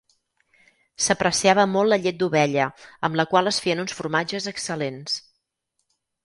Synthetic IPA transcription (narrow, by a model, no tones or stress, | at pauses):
səpɾəsiaβəmɔlˠtləʎet̪̚d̪uβɛʎəəmləkwalˠəsfeənunsfuɾmad͡ʒəzəksəlens